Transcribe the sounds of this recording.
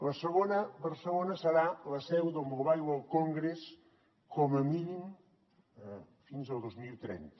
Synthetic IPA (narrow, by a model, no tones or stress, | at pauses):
ləsəɣonəbəɾsəlonəsəɾaləsɛwðəlˠmoβajləlˠkoŋɡɾes | kʰɔməminim | finzəlˠd̪ozmilˠt̪ɾɛ̰nt̪ə̥